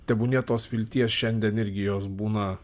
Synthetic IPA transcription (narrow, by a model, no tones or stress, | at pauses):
t̪ʲɛbʊnʲɛt̪oːsfʲɪlʲt̪ʲiɛsʃʲɛnʲd̪ʲiɛnɪɾʲɡʲɪjoːsbuːnɐ